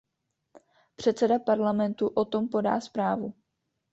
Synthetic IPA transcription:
pr̝̥ɛt̪t͡sɛdapaɾlamɛnt̪uʔo̞t̪o̞mpo̞da̰ːspɾaːvu

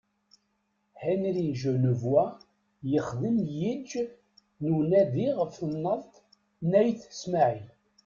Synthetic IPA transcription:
hænɾiʒənəvwæ | jəχðəmjid͡ʒ | nunæðiʁəfθənːəðˤt̪ | næjθə̥smaʕi

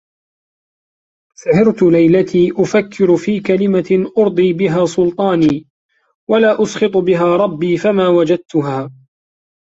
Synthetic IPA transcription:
sahɪɾt̪ʊlajlat̪ʰiːʔʊfakʰːɪɾfiːkalɪmaʔʊɾd̪ˤiːbɪɦaːsʊlt̪ˤɑːniː | walaːʔʊsqɨt̪ˤbɪɦaːɾˤɑbːiːfamaːwad͡ʒad̪̚t̪ʊɦaː

